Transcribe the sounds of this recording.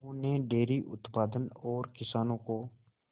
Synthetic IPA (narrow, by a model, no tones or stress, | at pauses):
oneɖeːɾiʔʊ̰t̪paːd̪ənɔːɾkɪsaːnõko